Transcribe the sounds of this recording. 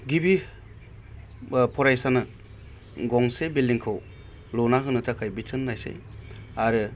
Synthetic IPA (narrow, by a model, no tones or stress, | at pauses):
ɡibi | pʰɔɾajsanɯ | ɡɔŋsebiliŋkʰɯw | lonaɦɯnɯtʰakʰajbit͡ʃɯnːajsḛaɾɯ